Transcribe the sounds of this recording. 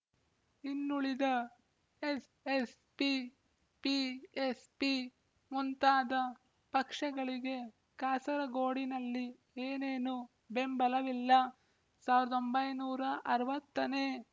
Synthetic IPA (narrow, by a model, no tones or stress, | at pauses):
inːuɭid̪ɐ | es | es | pi | piespi | munt̪aːd̪ɐ | pɐkʂɐɡɐɭiɡe̞ | kaːsɐɾɐɡoːɽinɐlːi | eːneːnu | be̞mbɐlɐʋilːɐ | saːʋiɾɐd̪o̞mbɐjnuːɾɐʔɐɾɐʋɐt̪ːɐne̞ː